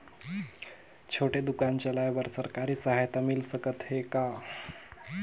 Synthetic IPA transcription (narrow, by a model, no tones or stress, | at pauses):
t͡ɕʰoʈed̪ukaɲt͡ɕalajbəɾsəɾkaɾiːsəɦajt̪amilsəkət̪ɦeka